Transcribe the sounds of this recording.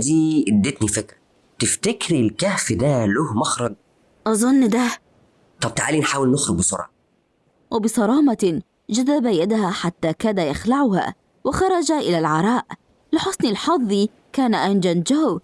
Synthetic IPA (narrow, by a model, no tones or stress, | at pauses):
d̪iːʔd̪ːet̪nifekɾ | t̪ɪft̪akɾilkæːfd̪æloːhmɑxɾˤɑɡ̚ | ʔɑzˤɑnːd̪æ | t̪ˤɑb̚t̪aʕaːlinħaːwɪlnʊxɾʊɡ̚bɪsˤo̰ɾˤʔɑ̰ | wɪbɪsˤɑɾˤɑːmɑ | d͡ʒaðabajad̪haħat̪ːaːkæd̪ajaxlaʕʊha̰ː | wɪxɑɾˤɑd͡ʒaʔɪlalʕɑɾˤɑːʔ | lɪħʊsnɪlħɑðˤːi | kaːnaʔand͡ʒand͡ʒaːw